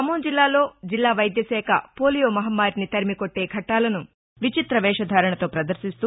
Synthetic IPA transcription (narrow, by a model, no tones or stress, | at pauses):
ɐmoːnd͡ʒilːaːlo̞ːd͡ʒilːaːʋɐjd̪jɐsɛːkʰɐ̰poːlijoːmɐɦɐmːaːɾnit̪ɐɾmikoʈːe̞ːɡʱɐʈːaːlɐnu | ʋit͡ʃit̪ɾɐʋɛːʂɐd̪ʱaːɾɐɳɐt̪o̞ːpɾɐd̪ɐɾsist̪uː